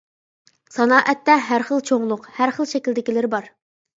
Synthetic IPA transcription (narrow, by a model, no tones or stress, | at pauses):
sɑnɑːʔɛt̪ːɛɦæɾχəlˠt͡ʃʰoŋlˠʊqhæɾχəlˠʃɛkʲild̪ɪkʲilɪɾɪbɑɾ